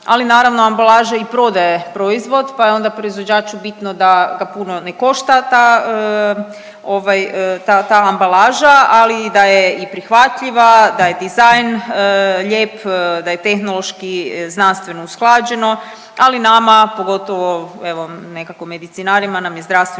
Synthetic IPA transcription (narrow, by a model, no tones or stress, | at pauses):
a̰linaːɾaʋnoambalˠaːʒaipɾo̞d̪ajepɾo̞izʋo̞d̪pajeo̞nd̪apɾo̞izʋo̞d͡ʑaːt͡ʃubit̪nod̪aɡapuno̞neko̞ʃt̪at̪aə | o̞ʋajət̪at̪aːmbalaːʒaalid̪ajeipɾixʋat̪ʎiʋad̪aje̞d̪izajn | ʎe̞ːpd̪aje̞t̪e̞xno̞lo̞ʃkiznanst̪ʋe̞nousklˠaːd͡ʑe̞no̞ | alinamapo̞ɡo̞t̪o̞ʋo̞e̞ʋo̞ne̞kakome̞d̪it̪sinaɾimanamjezd̪ɾast̪ʋe